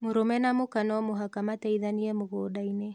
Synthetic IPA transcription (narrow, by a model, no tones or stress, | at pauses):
moɾomɛnamokanɔmoɦakamatɛiðaniɛmoɣoːdaine